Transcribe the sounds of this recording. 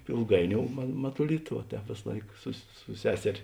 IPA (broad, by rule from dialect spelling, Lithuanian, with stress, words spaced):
ɪlˠˈɡɐɪˌnʲoːʊ mɐ mɐtʊˈlʲɪtɐ ʋɐ ˈtʲɛːp ˈʋʲeːs ˈlˠɐɪk sʊs sʊ ˈsʲæːsʲɛrʲeː